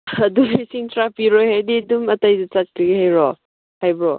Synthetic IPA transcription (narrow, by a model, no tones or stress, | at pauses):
ɐdumisiŋtʰɾapiɾɔjhajdidumɐtajdɐt͡ʃat̚kʰiɡihajɾɔ | hajbɾɔ